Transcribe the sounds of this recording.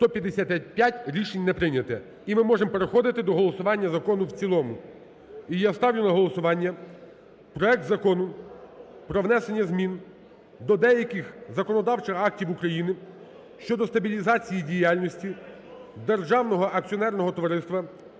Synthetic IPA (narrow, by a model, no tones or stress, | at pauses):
st̪ɔpʲjɐd̪esʲat̪ɛpʲjatʲɾʲiʃenʲnɛpɾɪnʲɐt̪ɛ | imɪmɔʒemɔpeɾexɔd̪ɪt̪ɪd̪ɔɦɔlˠɔsʊʋɑnʲːɐzɐkɔnʊwt͡sʲilˠɔmʊ | ijast̪ɑwlʲʊlˠɐɦɔlˠɔsʊʋɑnʲːɐ | pɾɔɛk̚t̪zɐkɔnʊ | pɾɔʋnɛse̞nʲːɐzmʲin | d̪ɔd̪ɛjɐkɪxzɐkɔnɔd̪ɑwt͡ʃɪxɑk̚tʲiwukɾɐjinɪ | ʃt͡ʃɔd̪ɔst̪ɐbʲilʲizɑt͡sʲijidʲijalʲnɔsʲtʲi | d̪erʒɑwnɔɦɔʔɐk̚t͡sʲiɔnɛrnɔɦɔt̪ɔʋɐɾɪst̪ʋɐ